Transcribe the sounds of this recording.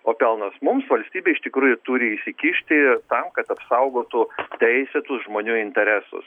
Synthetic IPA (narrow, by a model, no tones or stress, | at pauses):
oːpʲɛlˠnɐsmʊmsʋɐlʲsʲt̪ʲiːbʲeːɪʃt̪ʲɪkɾuːjʊt̪uɾʲɪɪʃsʲɪkʲiʃʲt̪ʲɪt̪ɐmkɐt̪ɐpsɐʊɡoːt̪ʊt̪ʲɛɪsʲɛt̪ʊsʒmoːnʲuːɪnʲt̪ʲɛɾʲæsʊ̰s